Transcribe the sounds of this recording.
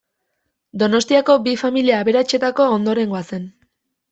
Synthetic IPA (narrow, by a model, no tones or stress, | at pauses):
d̪o̞no̞st̪iako̞bifamiliaːβe̞ɾat͡ʃe̞t̪ako̞ːnd̪o̞ɾe̞ŋɡoase̞n